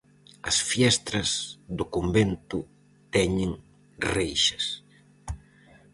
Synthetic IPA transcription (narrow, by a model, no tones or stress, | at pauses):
ɐsfjɛst̪ɾɐzd̪ʊkombent̪ʊ | t̪ɛɲeŋ | rejʃɐs